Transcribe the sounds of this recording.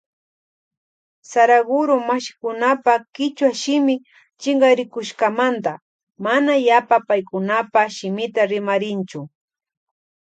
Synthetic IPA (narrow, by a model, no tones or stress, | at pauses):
saɾaɡʊɾʊmaʃɪ̥kʊnapakɪt͡ʃwaʃɪmɪ | t͡ʃɪŋɡaɾɪkʊʃkamant̪a | manajapapajkʊnapaʃɪmɪt̪aɾɪmaɾɪnt͡ʃʊ